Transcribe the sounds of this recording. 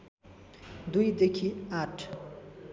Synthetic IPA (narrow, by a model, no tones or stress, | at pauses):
d̪ujd̪ekʰiaʈʰ